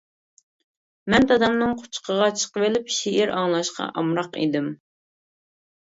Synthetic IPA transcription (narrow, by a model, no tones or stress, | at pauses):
mɛnt̪ʰɑd̪ɑmnɨŋqʰʊ̥t͡ʃʰqʰəʁɑt͡ʃʰə̥qəvelɪpʃiʔiɾɑŋlˠɑʃqʰɑ̰ʔɑmɾɑqḭd̪ɪm